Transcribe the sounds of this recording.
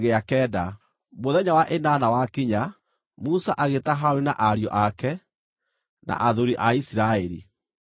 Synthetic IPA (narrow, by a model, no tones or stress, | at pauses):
ɣeakɛːda | moðɛɲawaʔenaːnawakiɲa | musaʔaɣetaɦaoɾina̰ʔaɾjɔ̰ʔakɛ | nʔa̰ʔaðoɾiʔaisiɾaɛɾḭ